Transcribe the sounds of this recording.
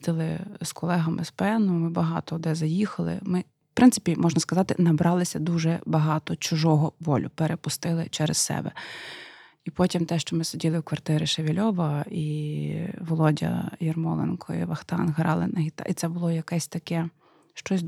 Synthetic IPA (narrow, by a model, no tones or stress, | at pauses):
d̪ɪlˠɪskʰɔlˠɛɦɐmʔɪ̰spɛnʊmɪbɐɦɑt̪ɔːd̪ɛzɐjixɐlˠɪ̰mɪ̥ | pɾɪnt̪sɪ̥pʲimʔɔʒnɐskɐzɑt̪ɪnɐbɾɑlˠɪsʲɐd̪uʒɛbɐɦɑt̪ɔt͡ʃʊʒɔɦɔʋɔlʲʊpeɾepʊst̪ɪlˠɪ̰t͡ʃɛɾɛ̰ssɛ̰bɛ̰ | ipɔtʲimt̪ɛʃt͡ʃɔmɪsedʲilˠɪwkʋɐrt̪ɪɾɪʃeʋʲilʲɔʋɐi | ʋɔlˠɔdʲɐ̰jɛrmɔlˠɛ̰nkʰɔḭʋɐxt̪ɑ̰nɦɾɑ̰lˠɪnɐɦʲit̪ɑ̰it̪sɛbʊlˠɔjɐkɛsʲt̪ɐkɛ | ʃt͡ʃɔsʲ